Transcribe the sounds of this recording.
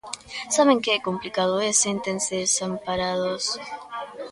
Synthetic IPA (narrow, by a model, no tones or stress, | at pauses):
saβeŋkeekomplikaðoesent̪enseðesampaɾaðos